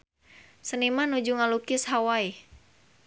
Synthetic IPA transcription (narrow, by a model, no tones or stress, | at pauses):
sənimanud͡ʒuŋalukɪshawai